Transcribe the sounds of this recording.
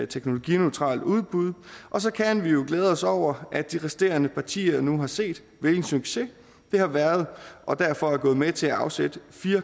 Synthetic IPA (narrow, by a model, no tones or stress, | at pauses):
t͡sʰeɡ̥no̝lo̝ɡ̥ḭnøʊt͡sʰʁɑ̰̈ːld̥uð̞ˠb̥uð̞̰ˠʔɒ̽s̬ɒ̽kʰænʋijo̝ɡ̥leːð̞ˠəɒ̽sɒʊ̰ɐʔæd̥̚d̥iʁɛsd̥e̝̰ːɐnəpʰɑ̈t͡sʰḭːɐnuɦɑ̈se̝̰ːd̥ | ʋeln̩syɡ̥se̝ | d̥e̝hɑ̈ʋæɐð̞ˠʔɒ̽d̥æɐfɒ̽æɐɡɔ̽ːð̩ˠmet͡sʰe̝æɑ̈ʊsed̥əfiːɐ